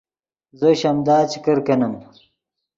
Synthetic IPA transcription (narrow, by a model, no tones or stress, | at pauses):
zɐɕɐmd̪aːt͡ɕi̥kɐɾkɐnɐm